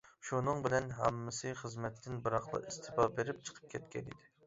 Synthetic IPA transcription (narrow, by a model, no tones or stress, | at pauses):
ʃunɨŋbɪlɛnɦɛmːɨsɨχəzmɛt̪ʰːɪnbɨɾɑχlˠɑ̰ʔist̪ʰɪbɑbeɾɪp̚t͡ʃʰə̥qʰə̥p̚kʲʰɛt̪kʲɛ̰nḭd̪ɪ